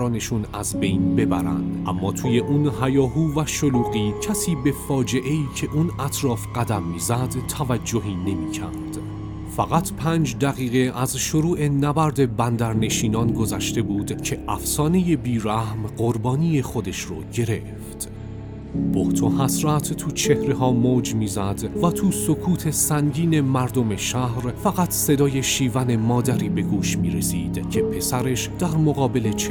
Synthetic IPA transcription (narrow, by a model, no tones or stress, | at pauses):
ɒːne̞ʃunæ̰zbe̞jnbe̞bæ̰ɾæ̰nd̪̥ʔæ̰mːɒːt̪ʰuːje̞ʔuːnɦæjɒːɦuːvæʃoluːɣiːcʰæsiːbe̞fɒːd͡ʒe̞ʔe̞iːcʰe̞ʔunʔæt̪ʰɾɒːfɢ̥æd̪æmːiːzæd̪t̪ʰːævæd͡ʒːo̞ɦiːne̞miːcʰæ̰ɾd̪̥ | fæɣæt̪ʰpʰæːnd͡ʒd̪æɣiːɣe̞æzʃoɾuːʔenæbæɾd̪e̞bænd̪æɾne̞ʃiːnɒːnɡozæʃt̪e̞buːd̪cʰe̞ʔæfsɒːne̞jebiːɾæhmɢoɾbɒːnije̞χo̞d̪e̞ʃrɔ̰ːɟe̞ɾe̞ | ft̪ | b̥oht̪ʰohæsɾæt̪ʰt̪ʰuːt͡ʃʰe̞hɾeɦɒːmod͡ʒmiːzæd̪væt̪ʰuːsokʰuːt̪ʰe̞sæŋɟiːne̞mæɾd̪o̞me̞ʃæhɾfæɣæt̪ʰse̞d̪ɒːje̞ʃiːvæne̞mɒːd̪æɾiːbe̞ɡuːʃmiːɾe̞siːd̪̥cʰe̞pʰe̞sæɾe̞ʃd̪̥æɾmoɣɒːbe̞le̞t͡ʃʰ